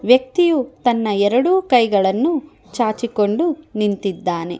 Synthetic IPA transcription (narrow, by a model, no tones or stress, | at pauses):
ʋjɐk̚t̪ijut̪ɐnːɐɛɾɐɽuːkɐjɡɐɭɐnːu | t͡ʃaːt͡ʃiko̞ɳɖunint̪id̪ːaːne̞̰